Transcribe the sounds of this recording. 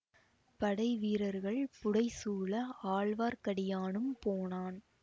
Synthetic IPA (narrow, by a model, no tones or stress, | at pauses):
pɐɽɐɪʋiːɾɐɾɣɐɭpʊɽɐɪsuːɭɐaːɭʋaːɾkɐɽɪjaːnɯmpoːnaːn